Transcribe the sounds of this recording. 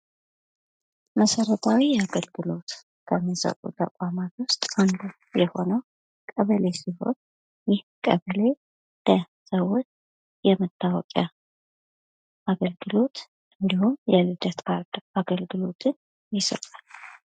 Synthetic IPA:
məsəɾət̪ʰawijɛaɡəlɡɨlo̞t̪ | kʰəmːisə̰kʼṵt̪ʰʼə̰kʷʼamat̪wʊst̪ʼand̪u | jɛho̞nəw | kʼəβəle̞siho̞̰n | jɪhkʼəβəle̞ | d̪̥ə | səwːot͡ʃː | jɛmət̪ʰːawɔ̰kʼa | ʔaɡəlɡɨlo̞t̪ | ɨnd̪ihunjɛlɨd̪ət̪kʰaɾd̪aɡəlɡɨlo̞t̪ʰɨn | jɪsə̰t̪ʼal

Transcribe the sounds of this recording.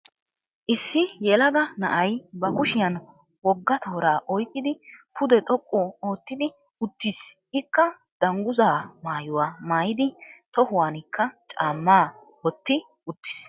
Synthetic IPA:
ʔɪsːɪjɛlɐɡɐnɐ̰ʔɐjbɐkʊʃɪjɐn | wɔɡːɐt̪ʰoːɾaːʔɔjkʼːɪd̪ɪpʰʊd̪ɛt̪ʼɔkʼːɔo̞ːt̪ːɪd̪ɪ | ʊt̪ːis | ɪkːɐ | d̪̥ɐŋɡʊzaːmaːjʊwaːmaːjɪd̪ɪt̪ɔhʊwaːnɪkʰːɐt͡ʃʼaːmːaː | wɔt̪ːɪ | ʊt̪ːɪ̥s

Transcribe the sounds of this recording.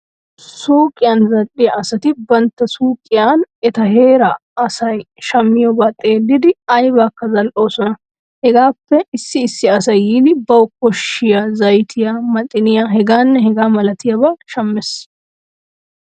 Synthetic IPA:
suːkʼːɪjaːnzɐɗɪjɐʔɐsɐt̪ɪbɐnt̪ːɐsuːkʼɪjaːnɛt̪ɐɦeːɾɐɐsɐj | ʃɐmːɪjɔbɐt̪ʼːeːd̪ɪd̪ɪɐjbaːkːɐzɐlʔo̞ːsɔnɐ | hɛɡaːpːɛɪsːɪːsːɪɐsɐjiːd̪ɪbɐwkːɔʃɪjɐzɐjt̪ʰɪjɐmɐt̪ʼːɪnɪjaɦɛɡaːnːɛhɛɡaːmɐlɐt̪ɪjɐbɐʃɐmːɛs

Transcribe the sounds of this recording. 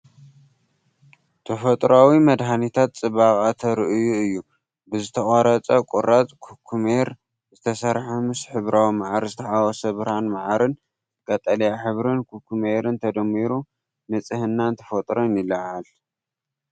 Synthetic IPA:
t̪ʰɐfɐt̪ʼɾawimɐd̪hanit̪ʰat̪̚t͡sʼɨβaχʼat̪ʰɐɾɨʔɨjuɨjːu | bɨzɨt̪ʰɐχʼɐɾɐt͡sʼɐkʷʼuɾat͡sʼkʰukʰːumeɾ | zɨt̪ʰɐsɐɾħɐmɨsħɨβɾawimaʕaɾzɨt̪ʰɐħawɐsɐβɾanmaʕaɾɨn | kʼɐt̪ʼɐlɐjaħɨβɾɨnkʰukʰːumeɾɨnt̪ʰɐd̪ɐmːiɾu | nɨt͡sʼɨhɨnːant̪ʰɐ̥fɐt̪ʼɾonilɐʕʕal

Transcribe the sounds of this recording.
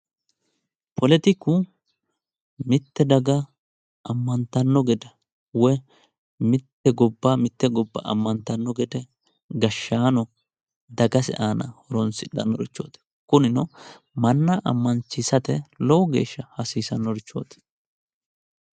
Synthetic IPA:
pʰɔlɛt̪ɪkːʊ | mɪt̪ːɛd̪ɐɡɐ | ʔɐmːɐnt̪ɐnːɔɡɛd̪ɛ | wɛ | mɪt̪ːɛɡɔbːaːmɪt̪ːɛɡɔbːɐ̰ɐ̰mːɐnt̪ɐnːɔɡɛd̪ɛ | ɡɐʃːaːnɔ | d̪ɐɡɐsɪ̰ʔaːnɐ̰hɔɾɔnsɪɗɐ̰nːɔɾɪt͡ʃːo̰ːt̪ɛ̥ | kʊnɪnɔ | mɐnːɐʔɐ̰mːɐnt͡ʃːɪsɐt̪ɛlɔwɔɡe̞̰ːʃːɐhɐsiːsɐnːɔɾɪt͡ʃːoːt̪ɛ̥

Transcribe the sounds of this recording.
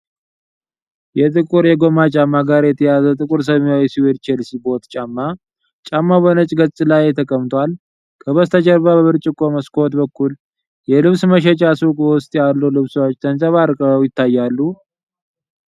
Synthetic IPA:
jɛt̪ʼɨkʼuɾjɛɡo̞mat͡ʃʼamːaɡaɾjɛt̪ʰəjazət̪ʼɨkʼuɾs̬əβwajɛsiwed̪t͡ʃɛlsibot̪t͡ʃʼamːa | t͡ʃʼamːabonət͡ʃʼɡət͡sʼɨlajt̪ʰəkʼəmt̪ʰal | kʼʰəβəst̪ʰət͡ʃəɾβaβəβɨɾt͡ʃʼɪkʼoməskʰʼot̪bəkːul | jɛlɨβsməʃɛt͡ʃʼaskʼwʊst̪ʼjalːulɨβsəwot͡ʃːt̪ʰənsʼəβaɾkʼəəwjɪt̪ːajːalːu

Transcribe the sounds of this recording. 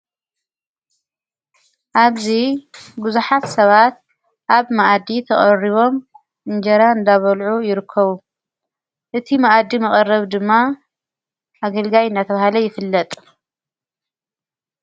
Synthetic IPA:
ʔaβzibɨzuħat̪sɐβat̪̚ | ʔaβmaʔd̪it̪ʰɐχʼɐriβo̞m | ʔɨnd͡ʒɐɾaɨnd̪aβɐlʕujɪɾɨkʰːɐβu | ʔɨt̪ʰimaʔd̪imɐχʼɐrːɐβd̪ɨmːa | ʔaɡɐlɡajɨnd̪at̪ʰɐβahlɐjɪfɨlːɐt̪ʼ

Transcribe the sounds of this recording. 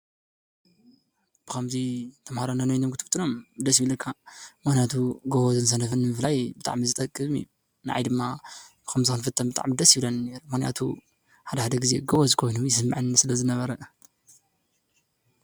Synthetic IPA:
b̥ɨkʰɐmzit̪ʰɐmhaɾananojnomɡɨt̪ʰt̪ʰʼːɨnomd̪ɐsjiβlɐkʰːamɨxnijat̪ʰuɡoβozɨns̬ɐnɐfɨnːɨmɨflajbɨt̪ʼa̰ʕmizɨt̪ʼɐkʼːɨβɨmḭ | nɨʕa̰jd̪ɨmːabɨkʰɐmzikɨnfɨt̪ʰːɐmbɨt̪ʼa̰ʕmid̪ɐsjiβlɐnne̞ɾumɨxnija̰t̪ʰṵ | ħad̪ɐħad̪ɐɡizeɡɐβozɨkʰo̞jnujɪsɨmːʕɨnsɨlɐzɨnɐβɐɾɐ

